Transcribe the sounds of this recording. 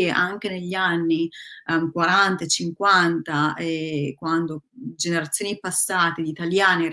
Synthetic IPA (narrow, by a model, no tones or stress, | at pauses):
eʔaŋk̟eneʎːanːikwaɾant̪at͡ʃiŋkwant̪aekwand̪od͡ʒeneɾat̪sːjoːnipasːaːt̪ed̪it̪aljaːne